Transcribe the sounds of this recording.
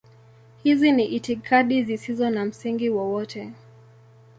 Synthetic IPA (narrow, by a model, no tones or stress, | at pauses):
hiziniʔitikʰaɗizisizɔnam̩siŋɡiwɔwɔtʰɛ